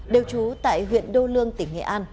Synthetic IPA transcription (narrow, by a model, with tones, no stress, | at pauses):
ɗe˨˩wt͡ɕu˨˦t̪a̰ː˧˨jɦwḭ˧˨ənɗo˧lɨ˧əŋt̪ï˧˩ŋ̟ːḛ˧˨ʔaː˧n